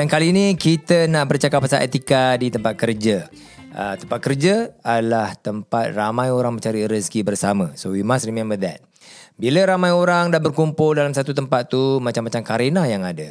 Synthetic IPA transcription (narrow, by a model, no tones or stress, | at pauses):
dankalinikit̪ənaʔbərt͡ʃakapːasaʔet̪ikadit̪əmpat̪̚kərd͡ʒə | ʔət̪əmpat̪̚kərd͡ʒəadlaht̪əmpat̪̚ramãjoɾaŋmə̃ɲt͡ʃaɾiɾəskibərsamãsojimãsrimẽmbəd̪ɛ̰t̪̚ | biləɾamãjoɾaŋdahbərkumpʊldalamsat̪ut̪əmpat̪ːumat͡ʃamːat͡ʃamkaɾenajaŋadə